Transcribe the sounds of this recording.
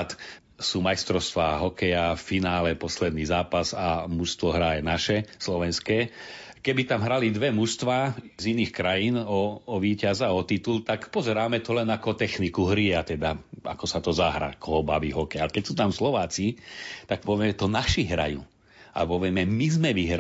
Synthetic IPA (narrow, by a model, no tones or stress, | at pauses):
t̪ | suːmajst̪ɾɔʊst̪ʋaːɦɔkɛjaffinaːlɛpɔslɛd̪niːzaːpazamuʃst̪ʋɔɦɾajnaʃɛslɔʋɛnskɛː | kɛbit̪amɦɾalid̪ʋɛmuʃst̪ʋaːziniːxkɾajiːnɔɔʋiːcazaɔt̪it̪ult̪akpɔzɛɾaːmɛt̪ɔlɛnakɔt̪ɛxnikuɦɾiat̪ɛd̪aa̰kɔsat̪ɔzaɦɾa̰ːkɔɦɔbaʋḭːɦɔkɛjalɛkɛcsuːt̪amslɔʋaːt͡sit̪ak̚pɔʋɛmɛt̪ɔnaʃiɦɾa̰jṵː | a̰pɔʋɪɛmɛmizmɛʋiɦɾ